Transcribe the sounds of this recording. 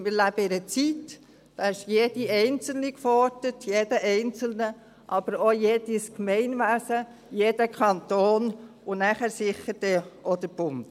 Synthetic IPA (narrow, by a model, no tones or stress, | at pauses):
mɪɾlæb̥əɪɾət͡sit | d̥ɑɪʃjeːd̥iʔɛɪnt͡sl̩nikfɔɾtətʰjeːd̥əʔɛɪnt͡sl̩nə | ʔɑb̥əɾojeːd̥iskmɛɪnʋæsə | jeːd̥əkʰɑnt̪oːn | ʊnæχæɾsɪχːəɾd̥əɔd̥̪əɾb̥ʊnt